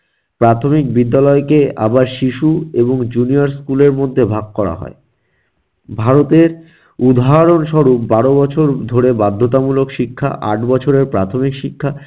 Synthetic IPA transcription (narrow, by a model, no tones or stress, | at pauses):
pɾat̪ʰomik̚bid̪ːalɔekea̰baɾʃiʃueboŋd͡ʑuniaɾskuleɾmod̪ʱːebʱaɡ̚kɔɾa̰ɦɔ̰e | bʱaɾot̪eɾ | ud̪ʱaɦaɾonʃɔɾupbaɾobɔt͡ɕʰoɾd̪ʱoɾebad̪ʱːot̪amulokʃikʰːa̰ʔa̰ʈbɔt͡ɕʰoɾeɾpɾat̪ʰomikʃikʰːa